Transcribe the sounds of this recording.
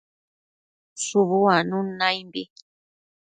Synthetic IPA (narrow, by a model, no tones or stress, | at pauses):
ʂuβuanũnãjmbi